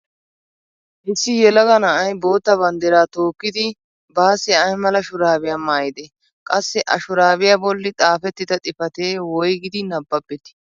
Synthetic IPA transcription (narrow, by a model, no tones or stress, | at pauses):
ʔɪsːɪjɛlɐɡɐnɐʔɐjbo̞ːt̪ːɐbɐnd̪ɛɾaːt̪o̞ːkːɪd̪ɪ | baːsɛɐjmɐlɐʃʊɾaːbɪjaːmaːjɪd̪e | kʼɐsːɛʔɐʃʊɾaːbɪjaːbɔlːɪt̪ʼaːfɛt̪ːɪd̪ɐt̪ʼɪfɐt̪eːwɔjɡɪd̪ɪnɐbːɐbːɛt̪ːɪ̥